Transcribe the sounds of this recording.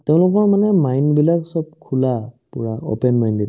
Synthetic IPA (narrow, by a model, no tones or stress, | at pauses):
teʊ̃lʊkɔɹmanɛmajnbilaksɔb̚kʰulapʊɹao̰pɛnmajndi